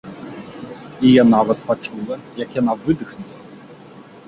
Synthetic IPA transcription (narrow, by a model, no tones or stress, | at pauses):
ijanavɐt̪pat͡ʂulˠɐjɐkjanavɨd̪ɨxnulˠɐ